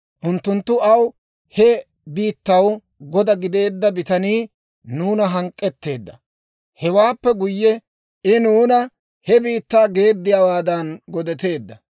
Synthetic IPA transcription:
ʔʊnt̪ːʊnt̪ːʊɐw | hɛ | biːt̪ːɐw | ɡɔd̪ɐɡɪd̪e̞ːd̪ːɐbɪt̪ɐniː | nuːnɐɦɐŋkʼːɛt̪ːe̞ːd̪ːɐ | hɛwaːpːɛɡʊjːɛ | ɪnuːnɐ | hɛbiːt̪ːaːɡe̞ːd̪ːɪjawaːd̪ɐnɡɔd̪ɛt̪e̞ːd̪ːɐ

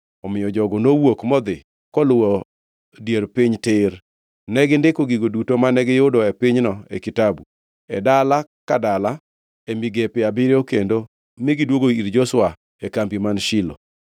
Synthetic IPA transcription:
ɔmɪjɔd͡ʒɔɡɔnowokmɔd̪ɪ | kɔlʊwɔ | djeɾpɪɲtɪɾ | nɛɡɪndɪkoɡiɡodutomanɛɡɪjʊdɔɛpɪɲnɔɛ̰kɪtabu | ɛ̰dalakadala | emiɡepɪabiɾeokendo | mɪɡɪdwoɡoiɾd͡ʒɔswa | ɛkambimanʃɪlo̰

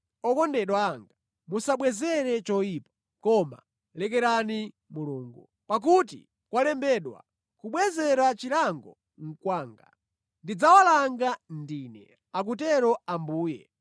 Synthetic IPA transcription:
ɔkɔndɛɗwaːŋɡa | musaɓwɛzɛɾɛt͡ʃɔipḁ | kɔma̰ | lɛkɛɾani | muluːŋɡu | pak̬ut̬ḭ | kwalɛmbɛɗwa̰ | kuɓwɛzɛɾat͡ʃilaŋɡɔ | ŋ̩kwaːŋɡa̰ | ndid͡zawalaŋɡandiːnɛ̰ | ak̬utɛɾɔambuːjɛ̰

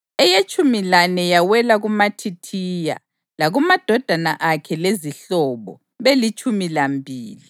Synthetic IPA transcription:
ɛjet͡ʃʼumilanɛjawɛlaɣumatʰitʰija̰ | laɣumad̥ʱɔd̥ʱanaʔakʰɛleziɬɔβɔ̰ | βelit͡ʃʼumilambʱiːli

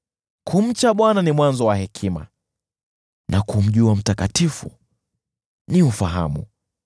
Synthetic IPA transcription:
kʰum̩t͡ʃaɓwananimwanzɔwahɛkʰima̰ | nʔakum̩ʄuam̩takatifṵ | niufaɦa̰mṵ

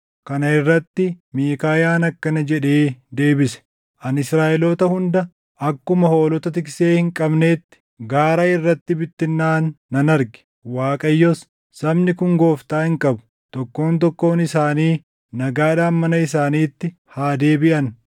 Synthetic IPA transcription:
kɐnɐɪrːɐt̪ːɪmiːkaːjaːnɐkːɐnɐd͡ʒɛᶑe̞ːd̪e̞ːbɪsɛ̥ | ʔɐnɪsɾaːʔɛlɔt̪ɐhʊnd̪ɐ | ʔɐkːʊmɐho̞ːlɔt̪ɐt̪ɪkseːhɪŋkʼɐbne̞ːt̪ːɪ̥ | ɡaːɾaːɪrːɐt̪ːɪbɪt̪ːɪnːaːnːɐnɐɾɡɪ̥ | waːkʼɐjːɔs | sɐbnɪkʊŋɡo̞ːft̪aːhɪŋkʼɐbʊ̥ | t̪ɔkːo̞ːnt̪ɔkːo̞ːnɪsaːniː | nɐɡaːᶑaːnmɐnɐɪsaːniːt̪ːɪ | haːd̪e̞ːbɪʔɐn

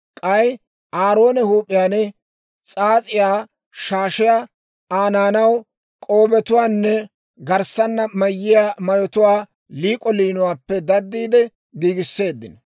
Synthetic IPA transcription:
kʼɐj | aːɾo̞ːnɛhuːpʼɪjaːnɛ | t͡sʼaːt͡sʼɪjaː | ʃaːʃɪja | aːnaːnɐw | kʼo̞ːbɛt̪ʊwaːnːɛ | ɡɐɾsɐnːɐmɐjːɪjaːmɐjɔt̪ʊwaː | liːkʼɔliːnʊwaːpːɛd̪ɐd̪ːiːd̪ɛ | ɡiːɡɪsːe̞ːd̪ːɪn

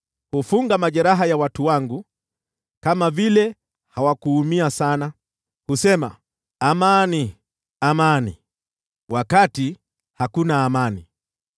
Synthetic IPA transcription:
hufuŋɡamaʄɛɾaɦajawatuwaŋɡu | kamavilɛ | hawakuːmiasana | husɛma̰ | amani | amani | wʔakati | hakunaːmani

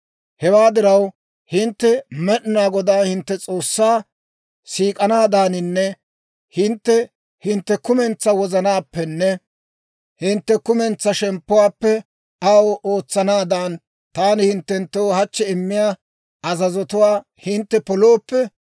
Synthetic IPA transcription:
hɛwaːd̪ɪɾɐw | hɪnt̪ːɛmɛʔnaːɡɔd̪aːhɪnt̪ːɛt͡sʼo̞ːsːaː | siːkʼɐnaːd̪aːnɪnːɛ | hɪnt̪ːɛ | hɪnt̪ːɛkʊmɛnt͡sːɐwɔzɐnaːpːɛnːɛ | hɪnt̪ːɛkʊmɛnt͡sːɐʃɛmpːʊwaːpːɛ | ɐwʔoːt͡sːɐnaːd̪aːn | t̪aːnɪhɪnt̪ːɛnt̪ːoːhɐt͡ʃːɛɪmːɪjaː | ɐzɐzɔt̪ʊwaː | hɪnt̪ːɛpɔloːpːɛ

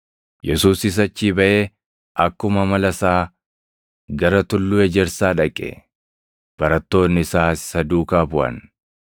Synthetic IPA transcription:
jɛsuːsɪs̬ɐt͡ʃːiːbɐʔeː | ʔɐkːʊmɐmɐlɐsaː | ɡɐɾɐt̪ʊlːuːɛd͡ʒɛɾsaːᶑɐkʼːɛ̰ | b̥ɐɾɐt̪ːo̞ːnːɪsaːssɐd̪uːkaːbʊʔɐ̰n

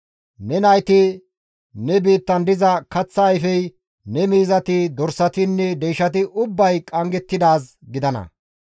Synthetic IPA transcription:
nɛnɐjt̪ɪ | nɛbiːt̪ːɐnd̪ɪzɐkɐt͡sːɐːjfɛj | nɛmiːzɐt̪ɪd̪ɔɾsɐt̪ɪnːɛd̪ɛjʃɐt̪ɪʔʊbːɐjkʼɐŋɡɛt̪ːɪd̪aːs | ɡɪd̪ɐnɐ̰

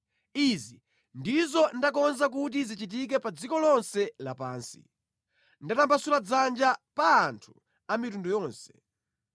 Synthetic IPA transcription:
izi | ndizɔndakɔnzak̬ut̬izit͡ʃit̬ik̬ɛpad͡zikɔlɔnsɛlapaːnsi̥̰ | ndatambasulad͡zand͡ʒapaːntʰu | amitundɔjɔːnsɛ̥

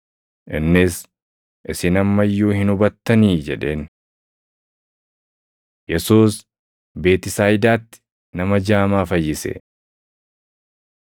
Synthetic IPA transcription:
ʔɪnːɪs | ʔɪsɪnɐmːɐjːuːhɪnʊbɐt̪ːɐniːd͡ʒɛᶑe̞ːn | jɛsuːs | be̞ːt̪ɪsaːjɪd̪aːt̪ːɪ̥ | nɐmɐd͡ʒaːmaːfɐjːɪsḛ

